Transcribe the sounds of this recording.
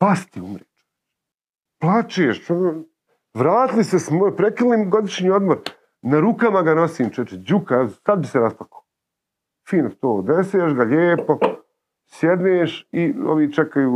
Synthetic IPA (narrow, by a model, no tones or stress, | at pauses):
past̪iumɾeːt͡ʃe̥ | plˠat͡ʃeeʃono | ʋɾaːt̪ilisesmoːjpɾekiliːmɡo̞d̪iʃɲiːo̞d̪moɾ | naɾukamaɡano̞siːmt͡ʃɛt͡ʃed͡ʒukaɛsad̪biseɾasplako̥ː | fiːnot̪oːd̪eseːʃɡaʎeːpo̞ | sjed̪neːʃioʋiːt͡ʃekajuː